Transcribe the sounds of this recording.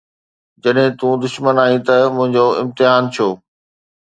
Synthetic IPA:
d͡ʑɐɗɦɪ̃t̪ũːd̪ʊʃmənaːĩt̪ɐmʊ̃ɦɪ̃ɲd͡ʑoɪ̰̃mt̪ɪɦaːnt͡ɕʰjoː

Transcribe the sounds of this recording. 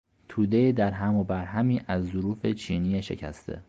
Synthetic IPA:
t̪ʰuːd̪e̞id̪æɾɦæmobæɾɦæmiːʔæzːoɾuːfe̞t͡ʃʰiːniːeʃe̞̰cʰæ̰st̪ʰḛ

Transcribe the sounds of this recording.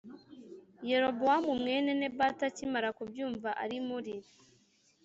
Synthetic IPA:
je̞ɾo̞bowamumŋe̞ːne̞ne̞batacimaɾakubjuːɱvaʔaɾimuɾiɾi

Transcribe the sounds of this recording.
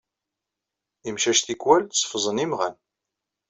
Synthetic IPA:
imʃæʃθikwælsˤə̥fzˤənimʁæn

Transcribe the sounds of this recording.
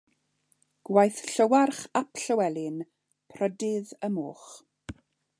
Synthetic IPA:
ɡ̥wajθɬəwarχapʰɬəwɛlˠɪn | pʰrədɪðəmo̰ːχ

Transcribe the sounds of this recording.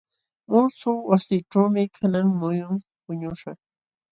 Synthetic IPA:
mʊsʊwasiːʈ͡ʂawmɪkʰanaŋmʊjʊŋ | pʊɲʊʃɑχ

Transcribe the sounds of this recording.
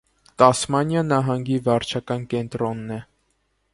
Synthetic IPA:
t̪ɑsmɑnjɑnɑɦɑŋɡivɑɾt͡ʃʰɑkɑnkɛnt̪ɾɔnːɛ

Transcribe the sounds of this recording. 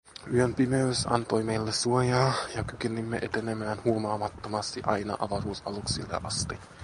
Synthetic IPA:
yømpimeysɑ̰nt̪o̞jme̞jlːessuojɑːjɑkyk̟enimːeʔe̞t̪e̞nemæːnhuomɑːmɑt̪ːomɑst̪iʔɑjnɑ̰ʔɑʋɑɾuːsɑluksilːḛʔɑst̪i

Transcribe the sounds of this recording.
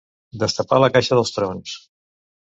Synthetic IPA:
d̪əst̪əpaləkaʃəð̞əlˠst̪ɾons

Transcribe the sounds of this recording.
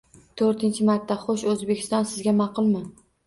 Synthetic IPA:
t̪ʰɵɾt̪ʰɪnt͡ʃʰɪmaɾt̪ʰːaχoʃɵzbekʲʰɪ̥st̪ɒnsɪzɡʲamɑqʊlˠmɪ

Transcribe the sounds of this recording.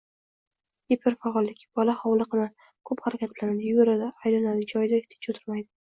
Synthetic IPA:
epʰɪɾfaɒlˠːɪkʲʰb̥ɒlaχɒwlˠɨqɨnan | kʰɵphaɾakʲʰat̪ʰlanad̪ɪjɡoɾad̪aːjlanad̪ɪd͡ʒɒjd̪aeht̪ʰet͡ʃʰot̪ʰɪ̥ɾmajd̪ɪ

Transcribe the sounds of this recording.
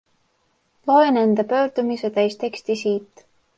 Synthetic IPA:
lo̞enend̪̥ɑpø̞ːɾd̪̥umiset̪æjst̪e̞kst̪isiːt̪ːˑ

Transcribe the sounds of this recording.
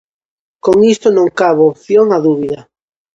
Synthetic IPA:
koŋist̪onõŋkaβoopθjoŋaðuβiðɐ

